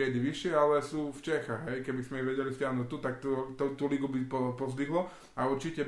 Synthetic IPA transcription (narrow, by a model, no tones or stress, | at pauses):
ɛd̪iʋiʃɪɛalɛsuːft͡ʃɛxaɣɦɛjkɛbizmɛɛʋɛɟɛlist̪ɪaɦnuct̪ut̪ak̚t̪ɔt̪ɔt̪uliɡubipɔpɔzd̪iɦlɔ | auɾt͡ʃicɛ